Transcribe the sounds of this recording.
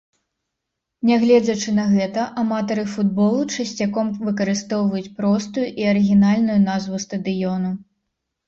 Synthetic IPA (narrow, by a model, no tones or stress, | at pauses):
nʲɛɣlʲɛd͡zʲɐt͡ʂɨnɐɣɛt̪ɐʔamat̪ɐɾɨfud̪bɔlˠut͡ʂɐsʲt͡sʲakɔmvɨkɐɾɨst̪ɔwvɐjut͡sʲpɾɔst̪ujuʔiɐɾɨɣʲinalʲnujunazvust̪ɐd̪ɨjɔnu